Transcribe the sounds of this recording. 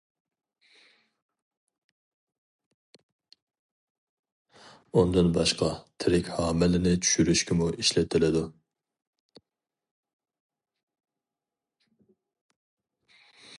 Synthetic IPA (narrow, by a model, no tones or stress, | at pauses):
und̪ɨnbɑʃqɑt̪ʰɪɾɪkʲhɑːmɪlɪnɪt͡ʃʰy̥ʃyɾyʃkʲʰɪmuʔiʃlɛt̪ʰːɪlɪd̪u